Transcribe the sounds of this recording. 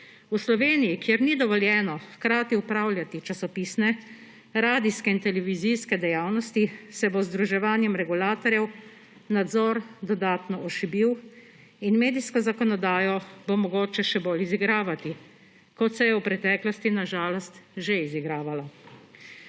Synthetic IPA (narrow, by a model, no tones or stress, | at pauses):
uslɔʋeːnijikjɛɾnid̪ɔʋɔljɛːnɔxkɾaːt̪iupɾaːwlʲjat̪it͡ʃasɔpiːsnɛ | ɾaːd̪iskɛint̪ɛlɛʋizijskɛd̪ɛjaːwnɔst̪isɛbozd̪ɾuʒɛʋaːnjɛmɾɛɡulaːt̪ɔɾjɛw | nad̪zɔɾd̪ɔd̪aːt̪nɔʔɔʃibiw | inmeːd̪iskɔzakɔnɔd̪aːjɔbomɔɡoːt͡ʃɛʃɛboːliziɡɾaːʋat̪i | kɔt̪sɛjɛwpɾɛt̪ɛːklɔst̪inaʒaːlɔst̪ʒeiziɡɾaːʋala